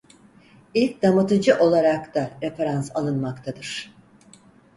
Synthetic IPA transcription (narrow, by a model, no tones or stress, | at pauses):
ilʲc̚d̪amɯt̪ɯd͡ʒɯʔo̞lˠaɾakt̪aɾefaɾansalˠɯnmakt̪ʰad̪ɯɾ̥